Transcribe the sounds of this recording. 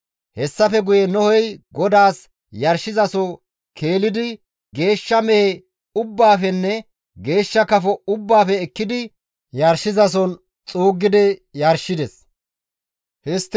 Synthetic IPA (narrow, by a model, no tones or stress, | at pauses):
hɛsːɐfɛɡʊjɛnɔhɔjɡɔd̪aːs | jɐɾʃɪzɐsɔ | kʰe̞ːlɪd̪ɪ | ɡe̞ːʃːɐmɛhɛ | ʊbːaːfɛnːɛ | ɡe̞ːʃːɐkɐfɔʊbːaːfɛːkːɪd̪ɪ | jɐɾʃɪzɐs̬ɔn | t͡sʼuːɡːɪd̪ɪjɐɾʃːɪd̪ɛs | hɪst̪ː